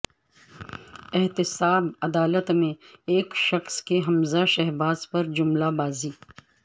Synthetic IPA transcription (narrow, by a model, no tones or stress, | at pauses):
ɪɦt̪ɪsaːbɐd̪aːlət̪mẽeːkʃɐxskeɦɐmzaʃɛɦbaːzpɐɾd͡ʒʊmlabaːziː